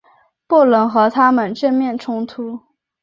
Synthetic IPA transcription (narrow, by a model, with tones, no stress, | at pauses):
pu˥˩lə˧˥nxɤ˧˥t̪ʰa˥mə˨˩nʈ͡ʂə˥˧nmjɛ˥˩nʈ͡ʂʰʊ˥ŋt̪ʰu˧˥